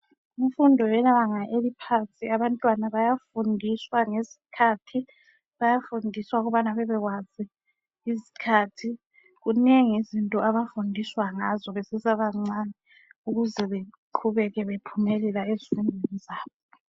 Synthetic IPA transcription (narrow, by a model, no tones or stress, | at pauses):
uɱfundʱɔjɛnaβaŋaʔelipʰasʼiaβantʼwanaβajafundʱiswaŋezi̥kʰaːtʰi | βajafundʱiswauɣuβanaβɛβɛɣwazi | izi̥kʰaːtʰi | ɣuneŋizintʼɔʔaβafundʱiswaŋazɔβesisaβaŋ͡ǀanɛ | uɣuzɛβeǃʰuβɛɣɛβepʰumɛlɛlaezifundʱwenizaːβɔ